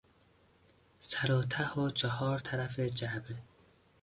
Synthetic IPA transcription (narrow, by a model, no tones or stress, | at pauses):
sæɾoːt̪ʰahot͡ʃʰɔhɒːɾt̪ʰæɾafed͡ʒabe